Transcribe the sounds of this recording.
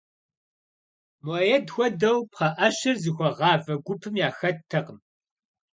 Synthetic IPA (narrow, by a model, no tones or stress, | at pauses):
mɐjɛdxʷɔdɐwpχɐʔɐɕɨrzɨxʷɔʁɑːvɐɡʷʊpʰɨmjaːxɐtʰːɐqəm